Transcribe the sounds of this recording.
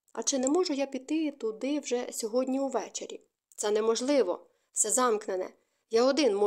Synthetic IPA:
ɐ̰t͡ʃɪnɛmɔʒʊjapʲit̪ːɪt̪ʊd̪ɪwʒɛsʲɔɦɔdʲnʲiuʋɛt͡ʃḛɾʲi | t̪sɛnɛmɔʒlˠɪʋɔ̰ | sɛzɑmknenɛ̰ | jaɔd̪ɪnmɔ

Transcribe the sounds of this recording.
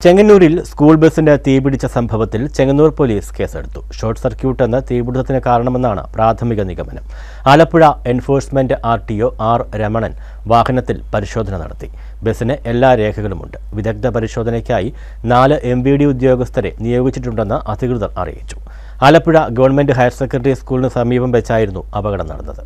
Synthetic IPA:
t͡ɕe̞ŋːɐnːuːɾilskuːɭbe̞sindet̪iːbiɽit͡ɕːɐsɐmbʱɐʋɐt̪ːilt͡ɕe̞ŋːɐnːuːrpo̞liːske̞ːse̞̰ɽut̪ːu̥ɕo̞ːrʈsɐrkjuːʈːe̞nːɨt̪iːbiɽuðɐt̪ːinɨkaːɾɐɳɐme̞nːaːɳɨ̰praːt̪ʰɐmiɣɐniɣɐmɐnɐm | aːlɐpːiɻɐe̞nfo̞ːrsmendɨʔaːrʈijo̞ːʔaːrɾemɐɳɐn | ʋaːhɐnɐt̪ːilpɐɾiɕo̞ːd̪ʱɐnɐnɐ̰ɽɐt̪ːi̥ | be̞sɐnɨʔe̞lːaːɾe̞ːkʰɐɣɐɭumṵɳɖɨʋid̪ɐk̚d̪ɐpɐɾiɕo̞ːd̪ʱɐnɐkʲːaːji | naːlɨʔe̞mʋiːɽiud̪jo̞ːɡɐst̪ʰɐɾe̞̰nijo̞ːɡit͡ɕːiʈːuɳɖe̞nːɐʔɐd̪ʱikrɨðɐmɐ̰rḭjḭt͡ɕːu̥ | aːlɐpːuɻɐɡɐʋɐrɳme̞nɖɨɦɐjrsekːrɐɖɐriskuːlinɨsɐmiːbɐmʋet͡ɕːaːjiɾunːuɐbɐɣɐɽɐmnɐ̰ɽɐnːɐðɨ

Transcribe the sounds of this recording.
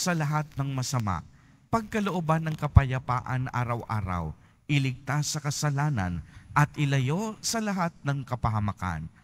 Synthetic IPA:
sɐlɐɦat̪̚nɐŋmɐsɐma̰ | pɐɡ̚kɐloʔobanːɐŋkɐpɐjɐpaːʔɐ̰nʔaːɾɐwʔa̰ːɾɐ̰w | ʔɪlɪɡ̚t̪asːɐkɐsɐlaːnɐ̰nʔɐt̪̚ʔɪlɐjo̞sɐlɐɦat̪̚nɐŋkɐpɐɦɐmɐka̰n

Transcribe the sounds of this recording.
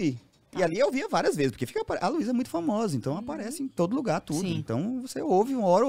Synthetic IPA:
i | ɪaliewviɐvaɾiɐzvezɪspoɾkefi̥kɐpaɾɛʔɐluizɐɛmũj̃t̪ʊfamɔzɐẽnt̪ɐ̃w̃apaɾɛsɪẽj̃t̪od̪ʊluɡaɾt̪ud̪ʊ̃ẽnt̪ɐ̰̃w̃voseowvɪũmɔɾ

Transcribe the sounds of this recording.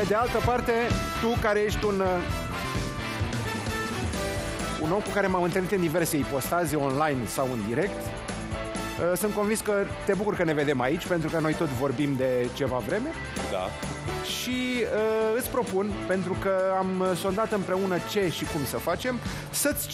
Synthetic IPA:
pe̞d̪e̞alt̪əpart̪e̞ | t̪ukaɾeje̞ʃt̪ʲun | ṵno̞mkukaɾe̞mamɨnt̪əlnit̪ɨnd̪ive̞rse̞ipo̞st̪azeo̞nlajnsawɨnd̪iɾe̞kt̪ | əsɨnt̪̚ko̞nvinskə | t̪e̞bukurkəne̞ve̞d̪e̞mait͡ʃʲpe̞nt̪ɾukəno̞jt̪o̞t̪sʲvo̞rbimd̪e̞t͡ʃe̞vavɾe̞me̞ | d̪a̰ | ʃiəɨt̪sʲpɾo̞punpe̞n̪t̪ɾukəamso̞nd̪at̪ɨmpɾe̞unət͡ʃe̞ʃikumsəfat͡ʃe̞m | sət̪sʲ

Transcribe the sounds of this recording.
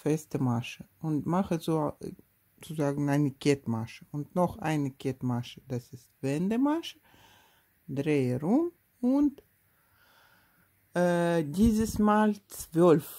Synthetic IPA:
fɛstəmaʃəʊntmaχəzoː | t͡suzaːɡŋn̩aɪnəkʰɛtmaʃəʊntnɔχa̰ɪnəkʰɛtmaʃəd̥asɪstv̥ɛndəmaʃə | dʁeːəɾʊm | ʊnt | diːzəsmaːlt͡sv̥œlf

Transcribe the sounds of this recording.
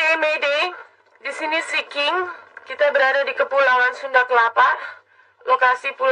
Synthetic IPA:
emede | disinisikɪŋkit̪abəɾadadikəpulawansundakəlapa | lokasipul

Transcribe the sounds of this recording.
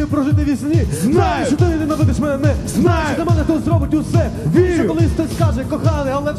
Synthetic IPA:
jʊpɾɔʒɪt̪ɪʋʲisʲnʲiznajeʃt͡ʃɔt̪ɪnɪnɐʋɪd̪ɪʃmɛnɛnɛznajeʃɐmɛnɛt̪ɛzɾɔbɪtʲʊsɛʋʲisɐkɔlˠɪst̪ɛskaʒɛkɔxɑnɪɐlˠɛ

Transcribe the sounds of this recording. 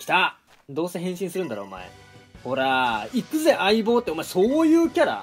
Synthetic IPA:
kʲi̥t̪a | d̪o̞ːseɦẽ̞ɕĩɰ̃sɨɾɯ̟nd̪aɾo̞ːma̰ḛ | ho̞ɾaikɯ̟ze̞ʔaibo̞ːt̪ːeomaeso̞ːjɯ̟ːkʲaɾa̰

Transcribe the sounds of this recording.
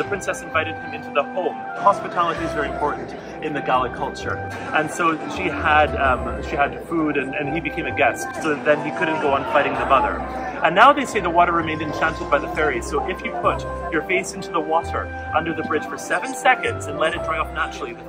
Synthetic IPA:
ðɨpʰɹ̥ɪ̃nsɛsɨ̃ɱvaɪɾɨd̚ɨ̃mɪ̃ntʉðəhõʊ̃m | hɑspɨtʰælˠəɾiɨzvɛɹiɨ̃mpʰɔɹʔn̩t | ɨ̃nðɨɡælˠɨkʰʌlˠt͡ʃə̰˞ | ʔɨ̃nsoʊʃiədʃiɨd̥fuɾɨ̃nɨ̃nibɨkʰẽɪ̃mɨɡɛstsoʊðt̪̚ðɨ̃nikʰʊdⁿn̩ɡ̥oʊə̃nfaɪɾɪ̃ŋðɨmʌðə̰˞ | ʔɨ̃nːaʊðeɪseɪðəwɔɾə˞ɹɨmẽɪ̃ndɨ̃nt͡ʃʰæ̃ntɨd̚baɪðɨfɛɹiz̥soʊʔɪfjɨpʰʊt͡ʃ | ə˞feɪsɪ̃ntʉðəwɔɾə̰˞ | ʔʌ̃ndə˞ðɨbɹɪd̥ʒ̥fə˞sɛvɨ̃nsɛkɨ̃ndzɨ̃nlɛɾɨt̚dɹaɪɔfnæt͡ʃɹ̥l̩ˠið

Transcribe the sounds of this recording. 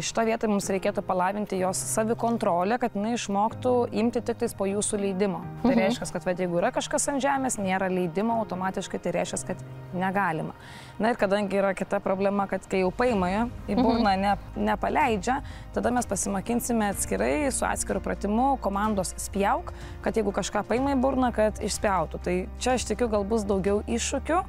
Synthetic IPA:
ʃʲɪ̥t̪oːʋʲiɛt̪oːmʊmsɾʲɛɪkʲeːt̪ʊpɐlˠɑːʋʲɪnʲt̪ʲɪjoːsːɑːʋʲɪkoːnt̪ɾoːlʲɛkɐt̪jɪnɐɪɪʃmoːkt̪ʊɪmʲt̪ʲɪt̪ʲɪkt̪ʲɪspoːjuːsulʲɛɪd̪ʲɪmoːt̪ɐɪɾʲɛɪʃʲkʲɛskɐt̪ʋɐt̪jɛɪɡʊiɾɐkɐʃkɐsɐnʒʲæːmʲeːsnʲeːɾɐlʲɛɪd̪ʲɪmoːɐʊt̪oːmɑːt̪ʲɪʃkɐɪt̪ɐɪɾʲɛɪʃkʲɛskɐt̪ | nʲɛɡɑːlʲɪmɐ | nɐɪɾkɐd̪ɐŋʲɡʲɪiːɾɐkʲɪt̪ɐpɾoːbʲlʲɛmɐkɐt̪kɐɪjɛʊpɐɪmɐibʊɾnɑnʲɛnʲɛpɐlʲɛɪd͡ʒʲɛt̪ɐd̪ɐmʲɛspɐsʲɪmokʲɪnʲsʲɪmʲɛɐt̪ʲsʲkʲɪɾɐɪsʊɑ̰ːt̪sʲkʲɪɾʊpɾɐ̰t̪ʲɪmʊkoːmɑnd̪oːssʲpʲjɛʊk | kɐt̪jɛɪɡʊkɐʃkɑːpɐɪmɐibʊɾnɐkɐt̪ɪʃʲsʲpʲjɛʊt̪ʊt̪ɐɪt͡ʃʲɛɐʃt̪ʲɪkʲʊɡɐlˠbʊs̬d̪ɐʊɡʲɛʊʔɪʃʊkʲʊ

